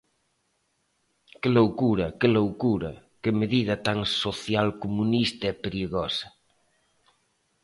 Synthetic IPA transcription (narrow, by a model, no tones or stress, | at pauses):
kɪlowɣuɾɐkɪlowkuɾɐ̰ | kɪmeðiðɐt̪aŋsoθjalkomunist̪aɛpeɾiɣɔsɐ̥